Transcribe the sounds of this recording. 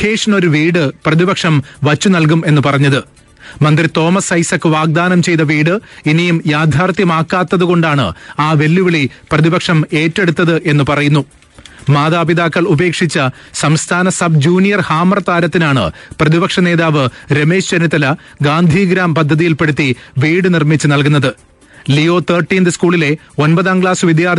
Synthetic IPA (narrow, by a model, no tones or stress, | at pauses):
heːʂno̞ɾuʋiːɽɨprɐðibɐkʂɐmʋɐt͡ɕːunɐlk̬ume̞nːɨpɐrɐɲːɐðɨ | mɐnd̪rit̪o̞ːmɐsɐjsɐkːɨʋaːɡ̚d̪aːnɐmt͡ɕe̞jt̪ɐʋiːɽɨinijumjaːd̪ʱaːrt̪jɐmaːkːaːt̪ːɐðuɣo̞ɳɖaːɳɨ̰aːʋe̞lːuʋiɭiprɐðibɐkʂɐme̞ːtːe̞ɽut̪ːɐðɨʔe̞nːɨpɐrɐjunːu | maːðaːpiðaːkːɐɭube̞ːkʂit͡ɕːɐsɐmst̪ʰaːnɐsɐb̚d͡ʑuːnijɐrhaːmɐrɐt̪aːɾɐt̪ːinaːɳɨ̰prɐðibɐkʂɐne̞ːðaːʋɨɾe̞me̞ːɕt͡ɕɐnit̪ːɐlɐ | ɡaːnd̪ʱiːɡɾaːmpɐd̪ʱːɐðijilpe̞ɽut̪ːiʋiːɽɨnirmit͡ɕːɨnɐlkunːɐðɨ | lijo̞ːt̪ʰɐrʈːiːnd̪ɨskuːɭile̞ | o̞npɐðaːnkɭaːsʋid̪jaːr